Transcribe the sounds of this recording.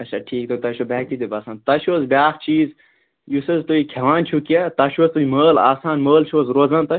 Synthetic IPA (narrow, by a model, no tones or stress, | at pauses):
ɐt͡ʃʰaʈʰiːk̚t̪ot̪ɐʃobɛːk̚t̪id̪ibaːsãːnt̪ɐʃoːzbjaːkt͡ʃiːz | jusɐzt̪oikʰɐʋaːnt͡ʃʰukijãːt̪ɐʃoːst̪uiməːla̰ːsaːnməːlt͡ʃʰoːzɾoːzãːnt̪ɐ